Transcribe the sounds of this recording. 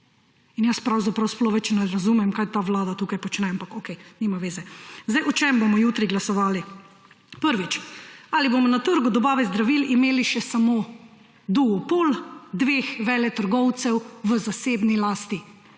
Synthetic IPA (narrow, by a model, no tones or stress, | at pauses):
injaspɾawzapɾawsploʋɛt͡ʃɛnɛɾazuːmɛmkajt̪aːʋlaːd̪at̪uːkajpɔt͡ʃnɛampakokɛjnimaʋeːzɛzd̪ajʔɔt͡ʃɛmbomɔjuːt̪ɾiɡlasɔʋaːli | pəɾʋit͡ʃaliboːmɔnat̪əɾɡɔd̪ɔbaːʋɛzd̪ɾaʋilimeːliʃɛsamoː | d̪uɡɔpoːld̪ʋeːxʋɛlɛt̪əɾɡɔwt̪sɛwʋəzaseːbnilaːst̪i